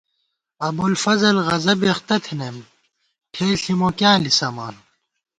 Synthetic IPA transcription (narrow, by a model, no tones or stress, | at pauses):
ɐbulfɐzɐlɣɐzɐbeχt̪ɐt̪ʰinem | ʈʰeːɬimoːkjãːlisɐma̰ːn